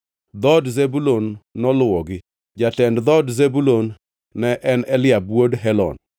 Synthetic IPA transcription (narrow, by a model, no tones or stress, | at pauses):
d̪ɔdzebulonːɔlwɔɡɪ | d͡ʒatɛndd̪ɔdzebulonː | ɛʔɛnɛlɪabwodɦɛlɔ̰n